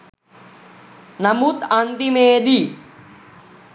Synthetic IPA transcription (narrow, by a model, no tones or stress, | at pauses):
namut̪ant̪imeːd̪i